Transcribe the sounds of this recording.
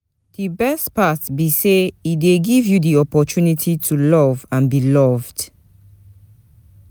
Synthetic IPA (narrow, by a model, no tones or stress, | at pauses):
d̥ibɛstpatbiseideɡivjudiɔpɔt͡ʃunitʰitʰulɔvãnbilɔvd̥